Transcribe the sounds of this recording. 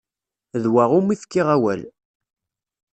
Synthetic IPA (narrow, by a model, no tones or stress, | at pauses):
ðwaʁumiθkːiʁawæ̰l